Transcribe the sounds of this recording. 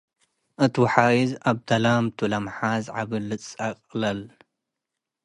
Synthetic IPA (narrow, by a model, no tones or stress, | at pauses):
ʔɨt̪wħajizaβd̪ɐlamt̪ʰulɐmħazʕaβɨlɨt͡sʼaqʼlɐl